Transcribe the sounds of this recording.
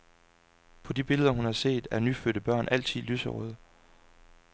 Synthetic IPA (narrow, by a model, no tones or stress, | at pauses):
pʰɒ̽dib̥e̝ləð̞ˠɐɦunhɑ̈se̝̰ːd̥æɐnyføːɾ̥əb̥ɶɐ̰nʔæl̰t͡sʰið̰ˠlysəʁɔð̞ˠ